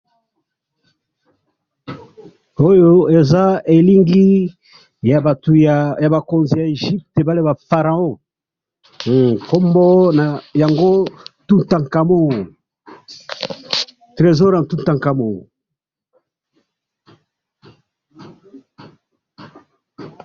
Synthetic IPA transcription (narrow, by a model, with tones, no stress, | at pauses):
o˦jo˦e˨za˦e˨li˦ŋɡi˦ | ja˨a˨tu˨ja˨ba˨ko˨nzi˨ja˨e˨ʒi˦p̚te˨ba˦le˦ba˨fa˨ʁa˨o˦˨ | ko˦mbɔ˦na˨ja˨ŋɡo˦tu˦nta˨ŋka˨mo˦˨ | tʁe˨zɔ˦ɾa˨n˨tu˦tã˨ŋka˨mo˦˨